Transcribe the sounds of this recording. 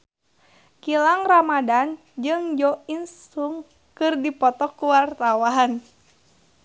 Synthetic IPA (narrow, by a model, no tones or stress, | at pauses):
kilaŋramadan | d͡ʒɨŋd͡ʒɔinsuŋ | kɨrdipɔt̪ɔkuwart̪awaɦan